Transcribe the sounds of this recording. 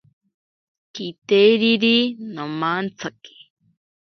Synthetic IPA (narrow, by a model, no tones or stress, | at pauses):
kit̪ejɾiɾinomant͡sʰaki̥